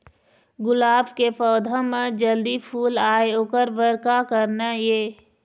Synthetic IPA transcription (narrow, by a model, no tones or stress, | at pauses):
ɡʊlaːbkepɔːd̪ʱãmẽd͡ʒəld̪ipʰuːlaːeoːkəɾʋəɾkakəɾnajeː